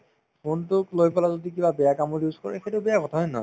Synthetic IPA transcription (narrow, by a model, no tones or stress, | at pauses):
kuntʊklojpɔlazodik̬ibabɛjakamɔɹjuzkɔɹɛxetʊbɛjakɔtʰaɦɔjnɔ̰